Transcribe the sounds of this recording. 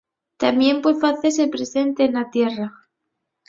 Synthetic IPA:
t̪amje̞mpwefaθe̞s̬epɾese̞nt̪enlat̪je̞ra

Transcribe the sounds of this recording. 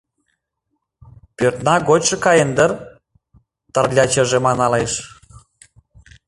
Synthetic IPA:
pørt̪nɑɡot͡ɕʃɤ̆kɑjənd̪ə̆r | t̪ə̆rlʲɑt͡ɕə̆ʒemɑnɑleʃ

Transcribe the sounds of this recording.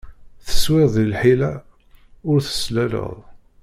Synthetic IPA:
θə̥swɪʁðilħilæ | ʊɾθə̥slælə̰ðˤ

